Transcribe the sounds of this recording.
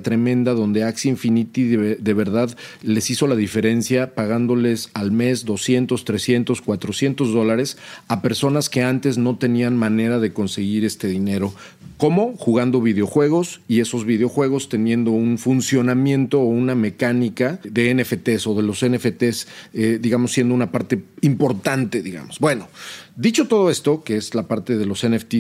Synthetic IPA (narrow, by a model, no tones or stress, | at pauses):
t̪ɾe̞mẽ̞nd̪aðo̞nd̪eaksiɱfinit̪iððe̞β̞e̞ɾðaðle̞siso̞laðife̞ɾe̞nsjapaɣand̪o̞le̞salme̞zðo̞sje̞nt̪o̞st̪ɾe̞sje̞nt̪o̞skwat̪ɾo̞sje̞nt̪o̞zðo̞laɾe̞sape̞ɾso̞naske̞ant̪e̞zno̞t̪e̞nianmãne̞ɾaðe̞ko̞nse̞ɣiɾe̞st̪e̞ðine̞ɾo̞ | ko̞mo̞xuɣand̪o̞β̞ið̞eo̞xwe̞ɣ̞o̞sie̞so̞zβiðeo̞xwe̞ɣ̞o̞st̪enjẽ̞nd̪o̞unfunsjo̞namjẽ̞nt̪o̞ːuname̞kanikaðe̞enefet̪e̞so̞ðe̞lo̞senefet̪esed̪iɣamosːje̞nd̪ounapaɾt̪e̞impo̞ɾt̪ant̪e̞ðiɣa̰mo̞z̥bwe̞nod̪it͡ʃo̞t̪o̞ð̞o̞e̞st̪o̞keezlapaɾt̪e̞ðe̞lo̞seneft̪i